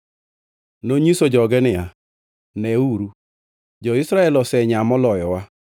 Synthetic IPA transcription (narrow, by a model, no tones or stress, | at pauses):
noɲisod͡ʒɔɡɛnɪa | nɛuɾu | d͡ʒɔisɾaɛlɔsɛɲamɔlɔjɔwa